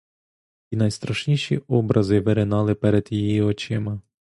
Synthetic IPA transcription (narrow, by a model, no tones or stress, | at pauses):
inɐjst̪ɾɐʃnʲiʃḭɔbɾʔɐzɪʋɪɾɪnɑlˠɪpɛɾɛd̪jijiɔt͡ʃɪmɐ